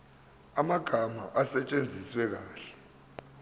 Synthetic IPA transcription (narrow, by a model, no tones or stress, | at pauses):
amaɡ̥ʱama̰ʔasɛt͡ʃʼend͡zʱiswɛk̬aːɬɛ̥